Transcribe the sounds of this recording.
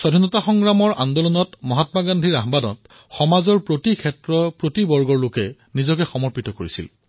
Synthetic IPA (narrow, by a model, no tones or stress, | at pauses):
sɔdʱinɔtaxɔŋɡɹamɔɹʔa̰ndɔlɔnɔtmɔɦatmaɡandʱiɹaɦbadɔ̰t | xɔmazɔɹpɹotikʰɛtɹɔpɹotibɔɹɡɔɹlokɛ | nizɔkɛxɔmɔɹpitɔkoɹisḭl